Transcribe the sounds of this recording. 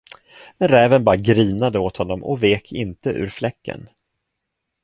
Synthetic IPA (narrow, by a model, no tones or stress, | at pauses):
mɛnɾɛːvənbɑːɾaɡɾiːnad̪əoːt̪hɔnːɔmʔɔ̰veːkʰɪnt̪əʔʉ̟ːɾflɛkːə̰n